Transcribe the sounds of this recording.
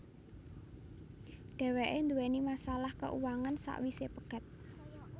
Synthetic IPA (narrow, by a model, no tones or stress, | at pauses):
ɖ̥ɛ̤weʔend̪uwenimasalahkə̰ʔṵwaŋansa̰ʔwisepəɡ̥a̤t̪̚